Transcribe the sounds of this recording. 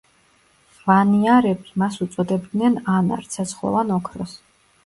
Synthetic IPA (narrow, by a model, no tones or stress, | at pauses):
vaniaɾɛbimasut̪sʼɔd̪ɛbd̪nɛnana̰ɾt̪sʰɛsʰχlˠɔ̰vanɔkʰɾɔs